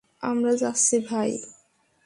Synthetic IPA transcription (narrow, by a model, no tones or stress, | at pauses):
amɾad͡ʑasʰibʱaj